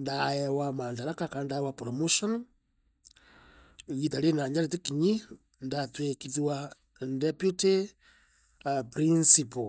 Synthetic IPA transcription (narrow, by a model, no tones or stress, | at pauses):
ndajɛwamantaɾakakandaɛwapɾɔmoʃɔn | ɣitaɾenaɲd͡ʒaɾit̬ikiɲi | ndatwekitiwa | ndɛpjute | pɾinsipo